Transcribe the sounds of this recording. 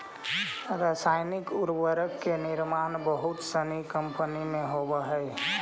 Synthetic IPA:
ɾasaːɪnɪkʊɾwəɾəkːenɪɾmaːnbəɦʊt̪sənikə̃mpənimẽɦobəɦəɛ

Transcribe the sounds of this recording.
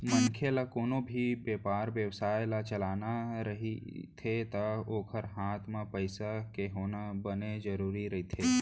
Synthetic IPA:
mənkʰelakoːnobʱibeːpaːɾʋjəwsaːjlat͡ʃəlaːnaɾɐɦḭt̪ʰet̪aoːkʰəɾɦaːt̪ʰmãpəɪsakeɦoːnabəned͡ʒəɾuːɾiɾɐɦit̪ʰeː

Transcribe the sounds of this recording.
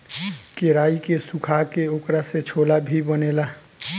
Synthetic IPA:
keɾaːikesukʰakeoːkɾaset͡ʃʰoːlabʱibəneːlaː

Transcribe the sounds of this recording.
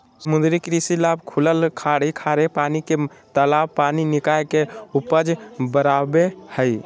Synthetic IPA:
səmũnd̪ɾikɾisilabkʰuləlkʰaɽikʰaɾepaniket̪əlabpaninikajkeupəd͡ʒbəɾabehəj

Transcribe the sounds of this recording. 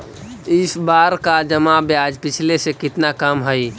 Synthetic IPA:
ɪsbaːɾkad͡ʒəmabjad͡ʒpɪt͡ʃʰlesekɪt̪nakəmɦəj

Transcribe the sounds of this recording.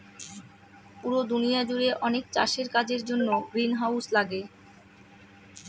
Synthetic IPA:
puɾod̪unijad͡ʑuɾeʔɔnekt͡ɕa̰ʃeɾkad͡ʑeɾd͡ʑonːoɡɾinɦawslaɡe

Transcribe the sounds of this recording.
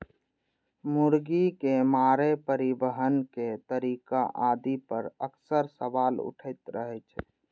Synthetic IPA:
muɾɡikemaːɾepəɾibəɦənket̪əɾiːkaʔad̪ipəɾəksəɾsəʋaːlʊ̰ʈʰəɪt̪ɾəɦɛt͡ʃʰɛ

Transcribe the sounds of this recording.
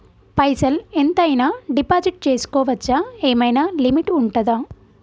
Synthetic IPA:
pɐjsɐlent̪ɐjnaːɖipaːd͡ʒiʈ̚t͡ʃeːsu̥kɔːʋɐt͡ʃːɐeːmɐjnaːlimiʈuɳʈɐd̪aː

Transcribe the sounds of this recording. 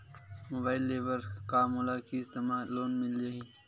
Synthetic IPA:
mobaːɪlːeːʋəɾkaːmolaːkʰiɪst̪emaːloːnmɪld͡ʒaɦiː

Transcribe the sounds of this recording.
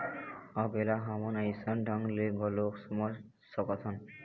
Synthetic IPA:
ɔbɛlaɦɔmɔnaisɔndʱɔŋleɡɔloksumɔ | sɔkɔt̪ʰɔn

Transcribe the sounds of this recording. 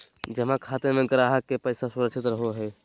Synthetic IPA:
d͡ʒəmãkʰat̪emeɡəɾaɦəkːepəjsasuɾəkt͡ʃʰit̪ɾəɦoɦɛ

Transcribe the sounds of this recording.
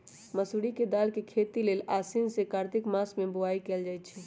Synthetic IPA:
məsuɽiked̪aːlkekʰet̪ileːlasinsekaɾt̪ɪkmasmẽboaikeːld͡ʒajt̪̚t͡ʃʰɛ

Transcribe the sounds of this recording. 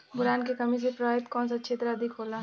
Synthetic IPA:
bʊɾaːnkekɐmĩs̬epɾɐʋaːɪt̪kɔ̃ːnsɐtːʃʰet̪ɐɾaɐd̪ʱɪkʰoːlaː

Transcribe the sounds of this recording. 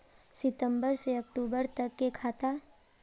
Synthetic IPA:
sɪt̪ə̃mbəɾseɐkʈuːbəɾt̪ɐkːekʰaːt̪a

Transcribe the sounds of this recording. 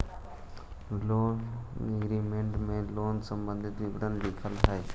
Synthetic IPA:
loːneɡɾimẽɳʈmẽloːnsəmbə̃nd̪ʱɪt̪ʋiʋəd̪ənd̪ikʰəlɦae

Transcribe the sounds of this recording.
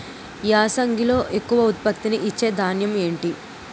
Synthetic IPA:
iaːsɐŋɡʱilo̞ːʔe̞kːuʋɐut̪̚pɐkt̪iniʔit͡ʃːe̞ːd̪ʱaːnjɐme̞ːɳʈi

